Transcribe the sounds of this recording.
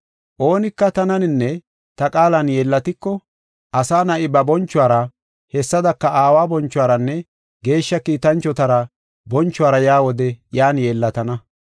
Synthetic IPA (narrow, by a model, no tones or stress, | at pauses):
ʔo̞ːnɪkːɐt̪ɐnɐnɪnːɛ | t̪ɐkʼaːlɐnjeːlːɐt̪ɪkːɔ | ʔɐsaːnɐʔɪbɐbɔnt͡ʃːʊwaːɾɐ | hɛsːɐd̪ɐkːɐʔaːwaːbɔnt͡ʃːʊwaːɾɐnːɛ | ɡe̞ːʃːɐkiːt̪ɐnt͡ʃːɔt̪ɐɾɐ | bɔnt͡ʃːʊwaːɾɐjaːwɔd̪ɛjaːnje̞ːlːɐt̪ɐnɐ